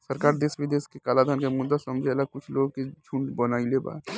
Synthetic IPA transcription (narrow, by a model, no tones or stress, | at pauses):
səɾkaːɾd̪eːsʋid̪eːskekaːlad̪ʱankemʊd̪ːasɐmd͡ʒʱeɐlaɡ̚kʊt͡ʃʰloːɡked͡ʒʱuɳɖbɐnaːileba̰ː